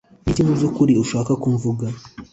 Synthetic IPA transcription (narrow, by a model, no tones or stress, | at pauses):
itiŋuzokuɾiuʃaːkakuɱvuɡa